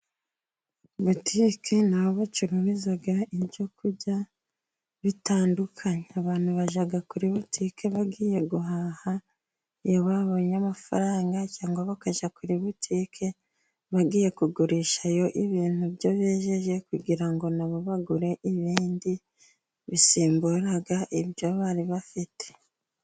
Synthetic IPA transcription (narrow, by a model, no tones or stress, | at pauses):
βutʰiːkʰenaoβot͡ʃiɾuβizaɡaiβɟo̞kʰuɾɟa | βitaːndukʰaɲeaβaːn̥huβaʒaɡakuɾiβutʰiːkʰe̞βaɡiːje̞ɡuɦaha | joβaβo̞ɲamafa̰ɾaːŋɡacaːŋɡwaβakaʒakuɾiβutʰiːkʰe̞ | βaɡiːje̞kuɡuɾiːʃajo̞ʔiβiːn̥huβjo̞βeːʒe̞ʒe̞kuɡɟiɾaŋɡo̞naβoβaɡuɾe̞ʔiβiːndi | βisiːmbuɾaɡaʔiβjoβaɾiβafite̞̥